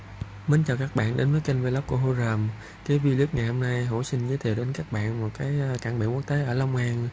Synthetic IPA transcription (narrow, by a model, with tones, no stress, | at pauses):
mə˨˦nt͡ɕɔ˨˩kaː˦˥k̚ɓa̰ː˧˨nɗe˨˦nvəː˨˦jka˧ŋ̟ve˧lə˦˥p̚ku˧˩əɦo˧zəː˨˩m | ka˨˦jvi˧li˦˥ək̚ŋa˨˩jho˧mna˧jɦo˧˩sï˧ŋ̟zəː˨˦jt̪ʰe˨˩ɗe˨˦nkaː˦˥k̚ɓa̰ː˧˨nmo˨˩t̚kaː˨˦jkaː˧˩nɓḭ˧˨ku˦˥ək̚t̪e˨˦ʔəː˧˩lə˧wŋ͡mhaː˧ŋ